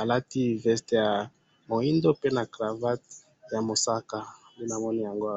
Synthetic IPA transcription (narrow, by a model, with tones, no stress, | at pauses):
a˨la˦ti˦vɛ˦ste˨ja˨ | mo˨i˦ndo˦pe˦na˨kʁa˨va˦t | ja˨mo˨sa˦ka˨mi˦na˨mɔ˦ni˦ja˨ŋɡo˦˨